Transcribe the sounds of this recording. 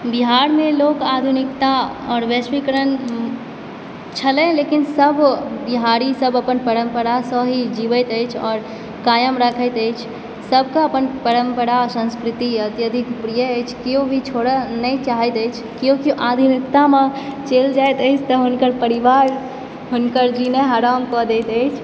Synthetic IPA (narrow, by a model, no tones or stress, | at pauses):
biɦaɾmelokad̪ʱunik̚t̪a | ɔːɾʋjəsmikəɾən | t͡ʃʰəlɛ̃lekinsəbʱbiɦaɾisəbəpənpəɾəmpəɾasəɦid͡ʒibət̪əjt͡ʃʰɔːɾ | kajəmɾakʰəjt̪əjt͡ʃʰ | səbʱkaəpənpəɾəmpəɾasə̃nskɾit̪iət̪jəd̪ʱikpɾijəəjt͡ʃʰkijobʱit͡ʃʰoɽənət͡ʃaɦəjt̪əjt͡ʃʰkijokiʔad̪ʱinik̚t̪amet͡ʃeld͡ʒajt̪əɪt͡ʃʰt̪ɔɦunkəɾpəɾiʋaɾ | ɦunkəɾd͡ʒineɦaɾamkɔd̪et̪əjt͡ʃʰ